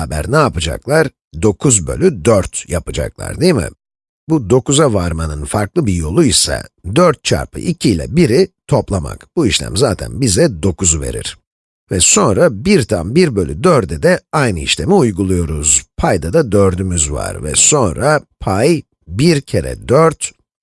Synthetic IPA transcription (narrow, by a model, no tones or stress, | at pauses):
abæ̰ɾnaːpɯd͡ʒa̰klˠaɾ̥ | d̪o̞kʰuzbø̞̰lʲyd̪øɾt̪japɯd͡ʒa̰klˠa̰ɾd̪imɪ̰ | bud̪o̞kuzavaɾmanɯnfaɾklˠɯbijo̞lˠuisa̰d̪øɾt̪̚t͡ʃʰa̰ɾpʰɯ̰ʔicʰiːlʲɛ̰biɾit̪ʰo̞plˠama̰kb̥uiʃlʲæ̰mzaːt̪ʰæ̰nbizɛd̪o̞kʰuzuve̞̰ɾḭɾ̥ | vɛso̞nɾabiɾt̪ʰanbiɾbø̞lʲyd̪øɾd̪ɛd̪ɛajnɯiʃlʲe̞miujɡulˠujo̞ɾuz̥pʰajd̪ad̪ad̪øɾd̪ymyzva̰ɾvɛ̰so̞nɾapʰaj | biɾcʰe̞ɾɛ̰d̪øɾt̪